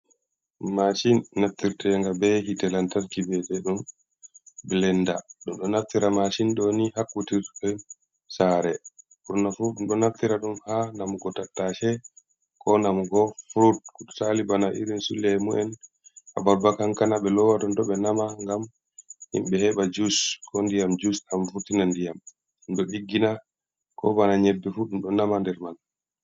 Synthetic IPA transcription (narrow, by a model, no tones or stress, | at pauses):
mat͡ʃinːaft̪iɾtɛjaŋɡabɛɦitɛlantalkibɛtɛɗum | bɛlɛndaɗumɗɔnaft̪iɾamat͡ʃinɗonihakːutiɾɛ | saɾɛfuɾunafuɗumɗɔnaft̪iɾaɗumhanamɡɔtatːaʃɛ | kɔnamɡɔfuɾut̚kuɗsalibanaʔḭɾinsulːɛmuʔɛn | ʔa̰baɾbakaŋkanaɓɛlɔwatɔntɔɓɛnamaŋɡam | hḭmɓɛhɛɓad͡ʒuskɔndijamd͡ʒusamfutinandijam | nɗɔɗiɡːina | kɔbanaɲɛbːɛfuɗumɗɔnamandɛɾman